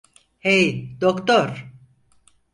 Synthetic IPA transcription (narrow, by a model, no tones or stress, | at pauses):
hejd̪̥okt̪oɾ